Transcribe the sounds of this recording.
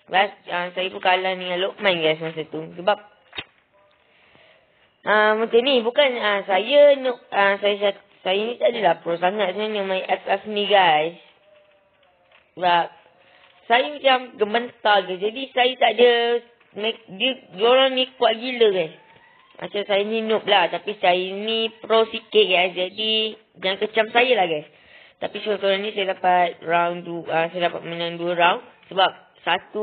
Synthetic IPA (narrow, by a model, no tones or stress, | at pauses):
basəsajəpəkalanĩŋãloʔ̚mãnɡajs̬mas̬ət̪usəbap̚ | ʔəmət͡ʃanĩbukanəsajənɔʔ̚əsajəsa | sajənĩt̪aʔdəlapɾɔsaŋat̪̚səmanɔ̃ʔmajɛpɛfniɡajs | bap̚ | sajəmat͡ʃamɡəmbənt̪aɡajsd͡ʒadisajət̪aʔdə | mekdiəd͡ʒolanĩkwaʔɡiləɡajs | mʔa̰sasajənĩnʊ̃p̚laht̪apisajənĩpɾosikɪt̪̚ɡajsd͡ʒadi | jaŋkət͡ʃamsajəlahɡajs | t̪apisak̪əɾanĩsajədapat̪̚ɹawnduəsajədapat̪̚mənãŋduəɾawn | səbap̚ | sat̪u